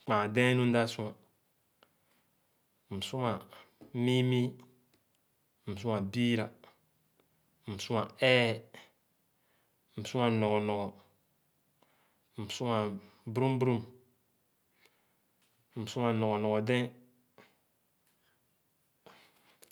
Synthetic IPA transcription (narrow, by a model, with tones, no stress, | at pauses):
k͡pa˨dẽ˦nu˦n˦da˦su˦ŋa˨ | m̩˨su˦ŋa˨mi˦mi˦˨ | s̬u˦a˨bi˦ɾa˨ | su˦a˨ɛː˦˨ | m̩˨su˦a˨no˨ɡɔ˨nɔ˨ɡɔ˨ | su˦a˨bɾu˦m˦bɾu˦m˨ | m̩˨su˦a˨nɔ˨ɡo˨nɔ˨ɡo˨dɛ̃˦